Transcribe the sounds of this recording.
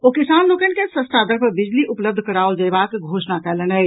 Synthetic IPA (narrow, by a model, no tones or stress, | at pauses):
oːkɪsaːnloːkənkesəst̪ad̪əɾpəbɪd͡ʒliʔʊpləb̚d̪ʱkəɽaːʊld͡ʒəjbaːkɡʱoːʃnakɛlenə